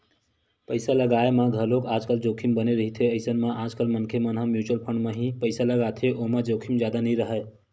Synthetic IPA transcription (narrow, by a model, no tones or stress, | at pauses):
pəɪsaləɡaemaɡʱəlokad͡ʒkəld͡ʒokʰimbəneɾəɦit̪ʰeəɪsənmaʔad͡ʒkəlmənkʰemənɦãmjut͡ʃuəlpʰəɳɖmeɦĩpəɪsaləɡat̪ʰeʔoɦmed͡ʒokʰimd͡ʒjad̪anəɾəɦə